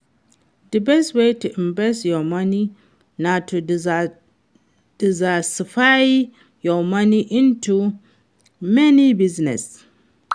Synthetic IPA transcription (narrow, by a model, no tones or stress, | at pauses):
dɨbɛstweɪtuʔĩmbɛstjɔmani | natʰu | d̥izasifaɪ | jɔmaniʔĩntʰu | mɛnibiznɛ̰s